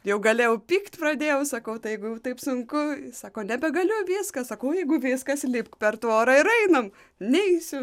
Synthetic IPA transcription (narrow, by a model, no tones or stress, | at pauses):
jɛʊɡɐlʲeːjɛʊpʲiːkt̪ʲprɐd̪ʲeːjɛʊsɐkɐʊt̪ɐɪjɛɪɡʊjɛʊt̪ɐɪpsʊŋkʊsɑːkoːnʲɛbʲɛɡɐlʲʊʋʲɪːskɐsɐkɐʊjɛɪɡʊʋʲɪːskɐslʲɪpkpʲɛrt̪oːɾɐɪɾɐɪnɐm | nʲɛɪsʲʊ